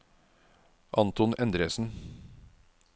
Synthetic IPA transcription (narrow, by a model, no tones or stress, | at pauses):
ʔɑnt̪ɔnɛnd̪ɾeːsn̩